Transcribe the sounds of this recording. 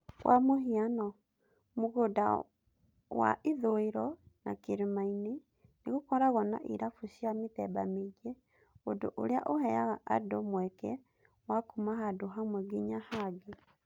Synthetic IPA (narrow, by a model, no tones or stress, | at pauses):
ɣwʔa̰moɦianɔ | moɣoda̰ | wa̰ʔeðoeɾɔnakeɾemaine | neɣokɔɾaɣɔna̰ʔḭɾafusiametɛbameɡie | odo̰ʔo̰ɾea̰ʔohɛjaɣaʔadomwɛkɛ | wakumaɦadoɦamwɛɡiɲahaɡe